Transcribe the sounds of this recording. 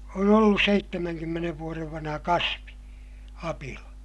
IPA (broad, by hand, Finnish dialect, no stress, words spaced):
on olːus seitːemæŋkymːeneʋ ʋuoreʋ ʋɑnhɑ kɑsʋi ɑpilɑ